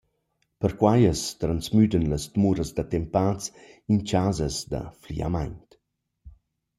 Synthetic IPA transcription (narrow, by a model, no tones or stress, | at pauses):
pəɾkwajəst̪ɾansmyd̪ənləsd̪muɾəsd̪at̪ɛmpaːt͡sint͡ʃaːzəsd̪ə̰flḭa̰majɲt